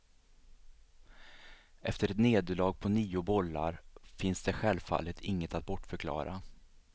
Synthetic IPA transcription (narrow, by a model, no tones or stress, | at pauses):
ʔɛft̪əɾɛt̪neːd̪əɭɑːɡ̚pʰɔniːʊbɔlːa̰ɾfɪnsd̪ɛɧɛlvfa̰lːət̪ʰɪŋːət̪at̪̚bɔʈːfœɾkʰlɑ̰ːɾʔa